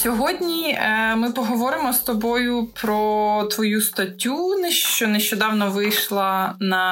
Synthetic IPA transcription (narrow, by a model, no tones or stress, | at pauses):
sʲɔɦɔdʲnʲimɪpɔɦɔʋɔɾɪmɔst̪ɔbɔjʊpɾɔt̪ʋɔjust̪ɐtʲːunɛʃt͡ʃɔneʃt͡ʃɔd̪ɑwnɔʋɪjʃlˠɐnɐ